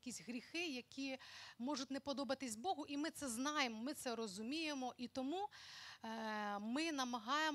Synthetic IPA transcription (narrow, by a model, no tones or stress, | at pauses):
kʲisʲɦɾʲixɪjɐkʲimɔʐʊtʲnepɔd̪ɔbɐt̪ɪsʲbɔɦʊʔimɪt̪sɛznɑjemɔmɪt̪sɛɾɔzʊmʲijemɔʔit̪ɔmu | mɪnɐmɐɦɑjem